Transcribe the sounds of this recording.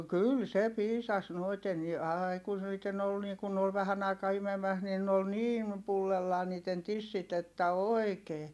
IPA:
kyl se piːsɑs noiten ni ɑːi kun niːtːen ol niː kun ne ol ʋæhæn ɑikɑː imemæs niːn n ol niːn pulːelːɑː niːtˑen tisːit etːæ oi̯keː

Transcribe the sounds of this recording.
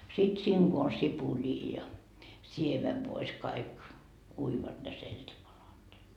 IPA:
sit siːŋ ɡ̊o on sipuliː jɑ siemeʋːois kɑik uiʋɑt ne seltʲipɑlɑt ni

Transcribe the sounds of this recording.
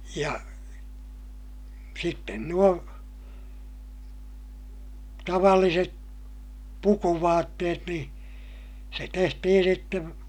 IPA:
jɑ sitːen nuo tɑʋɑlːiset pukuʋɑːtːeːt nĩː se tehtihin sitːeʋ

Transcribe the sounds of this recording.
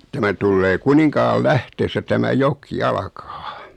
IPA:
tæmæ tulːeː kuniŋkɑːlːæhteːsːæ tæmæ jok ɑlkɑː

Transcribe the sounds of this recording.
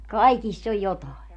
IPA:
kɑikisː oj jotɑˑe

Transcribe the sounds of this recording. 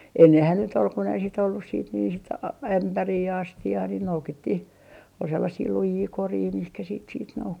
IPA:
enːehæn nyt ol kun ei sit olːus siːt niː sit ɑ æmpæriː jɑ ɑstiɑː ni noukitːih ol selːɑsiː lujiː koriː mihkæ siːt siːt noukːi

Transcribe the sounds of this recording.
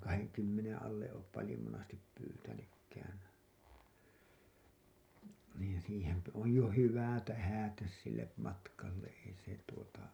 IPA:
kɑheŋkymːenẽː ɑlːe oːp pɑlĭjo monɑstip pyːtænykːæːn̞ niːn siːhemp oj jo hyʋæˑ tæhæˑtæs silːe mɑtkɑlːe ei se tuotɑ

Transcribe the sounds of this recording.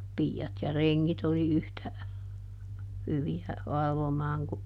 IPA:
piːɑt jɑ reŋːit oli yhtæ hyʋiæ ʋɑlʋomɑːŋ ku

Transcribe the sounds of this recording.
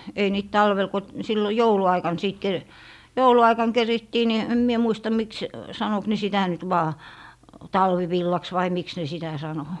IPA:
ei niːt tɑlʋel ko silːo jouluɑikɑn siˑt ke jouluɑikɑŋ keritːiː ni em mie muistɑ miks sɑnok ne sitæ nyt ʋɑː tɑlʋiʋilːɑks ʋɑi miks ne sitæ sɑno

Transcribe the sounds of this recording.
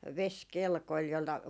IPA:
ʋeskelkoĭl jolːɑ

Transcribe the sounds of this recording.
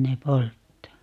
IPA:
ne poltːɑː

